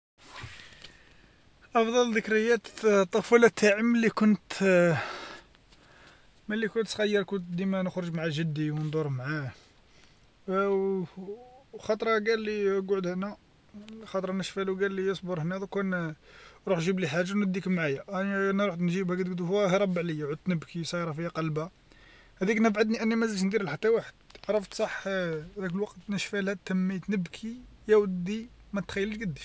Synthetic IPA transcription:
ʔɑfd̪ˤɑld̪əkɾəjːæt̪ˤːofulæt̪ʰːaʕəmːəlːikʊnt̪ | mælːikʊnt̪sxæjːəɾˤkʊnt̪d̪imænəxɾəʒmʕaʒəd̪ːiwnd̪ˤoɾmʕa | xɑt̪ˤɾˤɑɡælːiɡʕd̪hnæ | xɑt̪ˤɾˤɑnəʃfæluɡælːijəsˤboɾˤhnæd̪ukæn | ɾˤuħʒibliħaʒːawnəd̪ːikəmʕajænæɾˤuħnʒibhækæt̪ɡd̪uhæhiɾˤɑbːəʕləjːæʕəd̪̚t̪nəbkʰisˤɑjɾˤɑfijːæqɑlba | hæd̪iknəbʕad̪niʔənːimæzælʃ̬nd̪iɾəlħat̪ːæwaħəd̪̚ʕɾˤɑft̪sˤɑħd̪æk̬əlwɑqt̪nəʃfælhæt̪ːəmːit̪nəbkʰijæwd̪imæt̪xæjːəlʃɡəd̪ːi

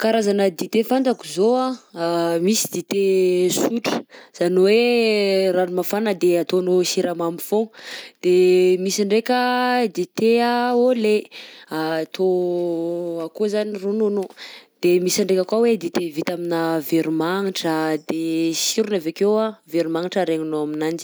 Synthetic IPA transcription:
kaɾazanəd̪it̪efand͡z̪akuzoa | misid̪it̪esuʈ͡ʂə̥z̥anowe | ranumafanəd̪eat̪onosiɾamamifod̪̥emisaɳɖ͡ʐekʲəd̪it̪eaoleat̪ʰo | akuzanirononod̪̥emisaɳɖ͡ʐekʲakwawed̪it̪evit̪aminəveɾumaŋiʈ͡ʂəd̪esiɾunavekewaveɾimaŋiʈ͡ʂəɾeŋunoaminand͡ʒi̥

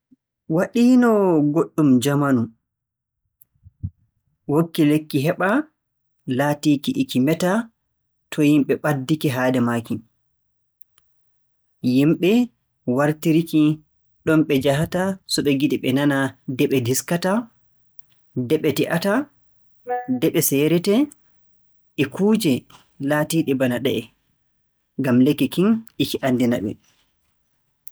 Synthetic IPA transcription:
waɗiːnɔɡoɗːumd͡ʒamanu | wokːilekːiɦɛɓa | laːtiːkiʔːkimɛta | tʰɔjimɓɛɓadːikiɦaːdɛmakin | jimɓɛ | waɾtiɾiki | ɗɔmɓɛd͡ʒaɦatasɔɓɛɡiɗiɓɛnanadɛɓɛdiskata | dɛɓɛtiʔata | dɛɓɛsɛːɾɛtɛ | ʔɛkuːd͡ʒɛ | laːtiɗɛbanaɗɛʔɛ | ŋɡamlɛkːikinʔikiʔandina̰ɓɛ̰

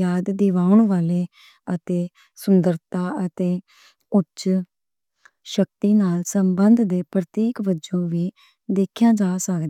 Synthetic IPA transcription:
jaːd̪d̪ɪʋaːʊɳʋaːleː | ət̪eː | sʊnd̪əɾt̪aːət̪eː | ʊt͡ʃ | ʃək̚t̪iːnaːlsəmbənd̪d̪eːpɾət̪iːkbəd͡ʒõːʋiː | d̪eːkʰjãːd͡ʒaːsəkd̪

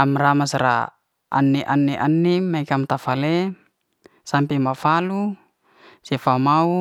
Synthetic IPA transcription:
amramasɾa̰ | a̰nːɛʔanːɛʔanːimaikamt̪afale | sampɛmafalu | safamau

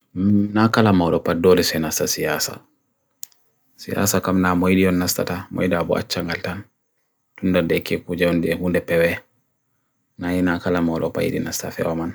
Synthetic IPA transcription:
mnakalamawɗɔpadɔɾisɛnastasijasa̰ | sija̰sakamnamojɗijɔnːasta̰tamɔ̰jdabɔʔa̰t͡ʃːaŋɡaltan | tundadɛkekud͡ʒajɔndiɛhundɛpɛwɛ | najinakalamawlɔ̰pa̰jḭɗḭnasta̰fɛ̰wɔman

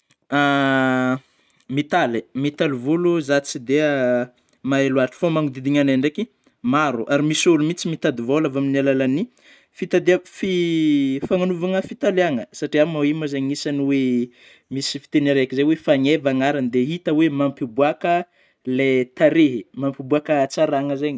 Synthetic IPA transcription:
a | mit̪alemit̪alivuluzat͡sid̪ea | maeluaʈ͡ʂi̥fomaŋud̪id̪iŋaneɳɖ͡ʐeki | maɾuʔaɾimisulumit͡simit̪ad̪ivolavaminialalani | fit̪ad̪eafi | faŋanuvaŋəfit̪aleaŋəsaʈ͡ʂiamaimazeɲŋisaniwe | misi̥fi̥t̪enaɾeakizejwefaŋevaŋaɾanid̪eɦit̪əwemampibuakə | let̪aɾeɦimampibuakət͡saɾaŋəzeɲi

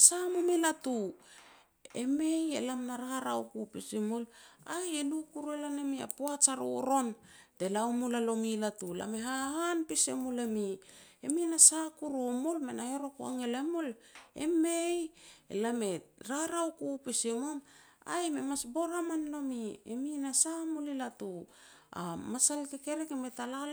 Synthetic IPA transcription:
samomilatu | ḛmejḛlamnaɾaɾawkupisemolajelukuɾelanemia̰poat͡ʃaɾo̰ɾo̞n | te̞laomulalo̞milatula̰meɦahanpisemolemi | eminasakuɾomolmenaheɾo̞kua̰ŋelemol | ḛmejḛlame̞ɾaɾawkupisemom | a̰jmemasbo̞ɾamanlo̞miḛminasamulilatu | a̰masalkeke̞ɾekemetala

